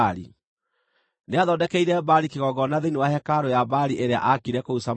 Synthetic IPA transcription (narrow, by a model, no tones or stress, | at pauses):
ɾḭ | neaðɔdɛkɛiɾɛbaɾikeɣɔɡɔnaðenewaɦɛkaɾojabaɾiʔeɾea̰ʔakiɾɛkousam